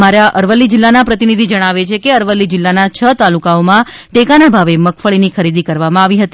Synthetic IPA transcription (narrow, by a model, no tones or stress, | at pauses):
maɾaʔəɾʋəlːid͡ʒɪlːanapɾət̪inid̪ʱid͡ʒəɽ̃aʋet͡ʃʰekeəɾʋəlːid͡ʒɪlːanat͡ʃʰət̪alukaomãʈekanabʱaʋeməkʰfəɭinikʰəɾid̪ikəɾʋamãaʋiɦət̪i